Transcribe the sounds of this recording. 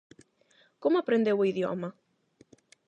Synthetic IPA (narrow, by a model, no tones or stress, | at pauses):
komoapɾend̪ewʊiðjo̰ma